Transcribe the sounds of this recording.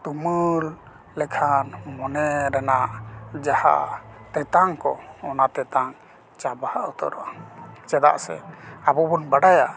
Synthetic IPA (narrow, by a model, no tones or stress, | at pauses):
t̪uməɾ | lɛkʰanmɔnɛɾɛnaʔd͡ʒaha̰ʔt̪ɛt̪aŋkɔːnat̪ɛt̪aŋ | t͡ʃabaaʔut̪ɔ̰ɾɔt͡ʃɛd̪a̰ʔsɛ̰abɔbɔnbaɽaja